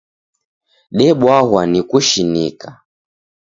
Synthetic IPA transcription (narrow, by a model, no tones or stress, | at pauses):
ɗɛɓwaɦwanikuʃinika